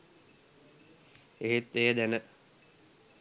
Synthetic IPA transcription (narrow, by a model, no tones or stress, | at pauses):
eɦit̪ːeːəd̪ænə